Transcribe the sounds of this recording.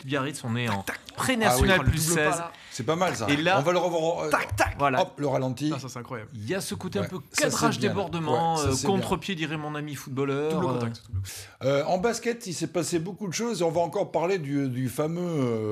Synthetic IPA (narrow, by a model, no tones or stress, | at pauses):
bjaʁit̪sɔ̃nɛ̃akpχenaswjɔinalplylːɛz | sɛpamalsa̰elaɔ̃valəʁəvwaʁt̪at̪akvwalaɔp̚ləʁalɑ̃t̪isasɛɛ̃kχwaja̰biljasəkot̪eɛ̃pøskad̪sʁaʒʒd̪ebɔʁd̪əmɑ̃øsɛkɔ̃t̪χəpjed̪iʁɛmɔ̃namifut̪̚bɔlœʁt̪auøɑ̃baskʲɛt̪isɛpasebokud̪əʃozɔ̃vaɑ̃kɔʁpaʁled̪yd̪yfamøø